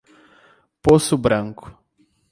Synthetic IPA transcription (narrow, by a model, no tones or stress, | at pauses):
posʊbɾɐ̃ŋkʊ̥